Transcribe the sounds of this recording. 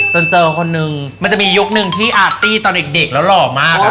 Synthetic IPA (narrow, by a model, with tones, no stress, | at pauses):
t͡ɕo˧nt͡ɕɤː˧kʰo˧nːɯ˨˧ŋma˧nt͡ɕa˨˩miː˧ju˦˥k̚nɯ˨˩ŋt̪ʰiː˥˩ʔaː˨˩t̪ːiː˥˩t̪ɔː˧ne˨˩k̚de˨˩k̚lɛː˦˥wlɔː˨˩maː˥˩k̚